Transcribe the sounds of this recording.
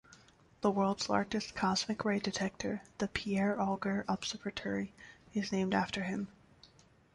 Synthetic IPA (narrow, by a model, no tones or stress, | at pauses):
ðəwɜ˞lˠdz̥lɑ̰ɹd͡ʒɨskʰɑzmɨkʰɹeɪdɨtʰɛk̚tʰə̰˞ðɨpʰiɛɹɔlˠɡə˞ʔəb̥sɜkɨtʰɛɹiɨznẽɪ̃mdæftʰə˞ɪ̃m